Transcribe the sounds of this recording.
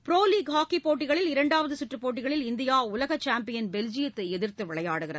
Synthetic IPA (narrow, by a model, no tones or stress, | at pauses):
pɾoːliːɡɦaːkːipːoːʈːɪɣɐɭɪlɪɾɐɳɖaːʋɐðɯsɪʈrɯpːoːʈːɪɣɐɭɪlɪnd̪ɪjaːʊlɐɣɐt͡ʃːaːmpɪjɐnbɛld͡ʒɪjɐt̪ːɐɛðɪrt̪ːɯʋɪɭɐjaːɽɯɣɪrɐðɯ